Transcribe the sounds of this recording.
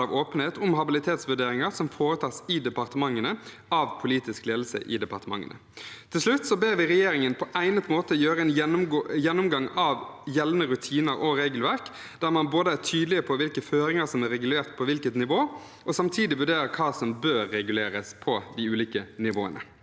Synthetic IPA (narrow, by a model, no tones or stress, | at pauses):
ɑʋoːpən̩heːt̪ʰʊmɦɑbɪlɪt̪ʰeːt̪sʋʉɖeːɾɪŋəɾsɔmfoːɾət̪ʰɑːsɪd̪ɛpɑɾt̪əmɑŋːənə | ɑːʋpʰʊliːt̪ɪskleːd̪l̩sə̰ʔɪ̰d̪ɛpɑʁt̪əmɑ̰ŋːə̰nə̰ | t̪ʰɪlʂlʉt̪ːsɔbeːʋɪɾɛjeːɾɪŋənpʰɔʔæɪnət̪moːt̪əjøːɾəɛnjɛnːʊmɡɑŋɑːʋjɛlnəɾʉt̪ʰiːnəɾɔɾeːɡəlʋæʁk | d̪æʁmɑnboːd̪əæt̪ʰyːd̪lɪəpʰɔʋɪlkəføːɾɪŋəɾsɔmæɾɛɡʉleːʁt̪̚pʰɔʋɪlkət̪nɪʋoː | ʔɔsɑmt̪ʰiːd̪ɪʋʉɖeːɾəɾkʰɑːsɔmbøːɾːɛɡʉleːɾəspʰɔd̪ɪʉːliːkənɪʋo̰ːə̰nə̰